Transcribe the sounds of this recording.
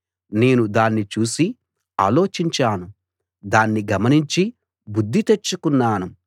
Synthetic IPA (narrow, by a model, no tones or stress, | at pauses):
ne̞ːnud̪aːnːit͡ʃuːsi | a̰ːlo̞ːt͡ʃiɲt͡ʃaːnu | d̪aːnːiɡɐmɐniɲt͡ʃi | bud̪ʱːit̪e̞t͡ʃːukunːaːnu